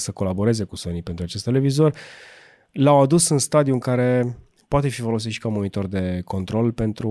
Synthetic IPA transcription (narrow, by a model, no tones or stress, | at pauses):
səko̞labo̞ɾe̞ze̞kusonipe̞nt̪ɾuat͡ʃe̞st̪e̞le̞vizo̞rʲ | lawad̪usɨnst̪ad̪iuɨŋkaɾe̞ | poat̪e̞fifo̞lo̞s̬it̪ʃi̥kamonit̪o̞rd̪e̞ko̞nt̪ɾo̞lpe̞nt̪ɾu